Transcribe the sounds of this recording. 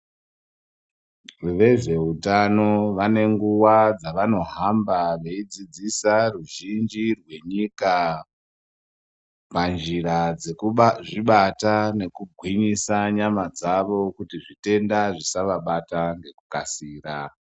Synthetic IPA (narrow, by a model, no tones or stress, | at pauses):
ʋe̞ʐe̞utano̞ʋane̞ŋɡuwad͡zaʋano̞ɦambaʋe̞id͡zid͡zisaruʒind͡ʒirwe̞ɲika | pand͡ʒiɾad͡zeʐiɓatane̞kuɡʱwiɲisaɲamad͡zaʋo̞kutiʐite̞ndaʐisaʋaɓataŋɡe̞kukasiːra